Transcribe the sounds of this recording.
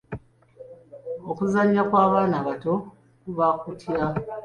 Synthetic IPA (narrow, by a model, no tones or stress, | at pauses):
okuzaɲːakwaːβaːnaβato̞ | kuβakutʰja